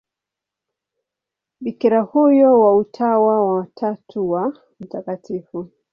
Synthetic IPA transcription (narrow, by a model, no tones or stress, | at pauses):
ɓikiɾahujɔwautʰawawatʰatʰuwa | m̩takatifu